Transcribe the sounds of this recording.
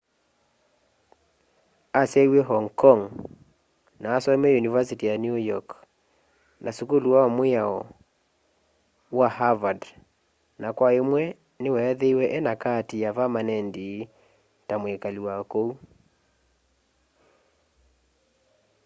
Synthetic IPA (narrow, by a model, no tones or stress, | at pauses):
asɛiwɛɦɔŋkɔŋ | naːsɔmɛjunivasitijanjujɔk | nʔasukuluwawamweaɔ | wahavad | nakwaemwɛ | newɛɛðeiwɛʔɛnakatijavamanɛndi | tamwekaliwakou